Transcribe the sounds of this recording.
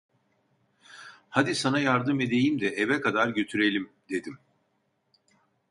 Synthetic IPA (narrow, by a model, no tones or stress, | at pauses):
had̪isanajaɾd̪ɯme̞d̪e̞jimd̪ɛʔevɛkʰad̪aɾɟø̞t̪ʰyɾe̞lʲimd̪e̞d̪im